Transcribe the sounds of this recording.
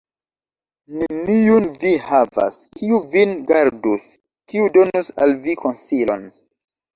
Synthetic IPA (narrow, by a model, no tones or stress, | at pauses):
nenijunvihava̰skʰiuvinɡaɾdus | kiudo̞nusa̰lviko̞nsilo̰n